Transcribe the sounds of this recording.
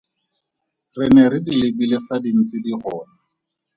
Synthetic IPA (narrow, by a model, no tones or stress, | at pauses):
rɪnɛɾɪdilebilefadin̩t͡sɪdiχʊːna